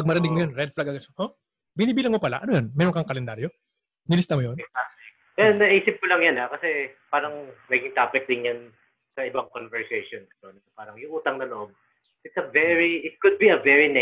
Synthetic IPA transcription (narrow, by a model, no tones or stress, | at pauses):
pɐɡ̚mɐɾɪnɪɡ̚mojonɾɛd̪̚flaɡɐɡɐsɐʔo | bɪniːbiːlɐŋmopɐla̰ʔɐnojonmɛːɾoŋkɐŋkɐlɛnd̪aːɾjo̞ | nɪlɪst̪ɐmojona | ɛnːɐʔiːsɪp̚kolɐŋjɐnakɐsɛpaːɾɐŋnɐɡɪŋt̪aːpɪt̪̚d̪ɪnjɐn | sɐɪbaŋkonvɛɹsɛjʃonst̪onɪt̪ɐpaːɾɐŋjʊŋʔuːt̪ɐŋnɐloʔob̚ | ɪt̪̚sɐvɛɹiɪt̪̚kʊd̪̚biɐvɛɹinɛ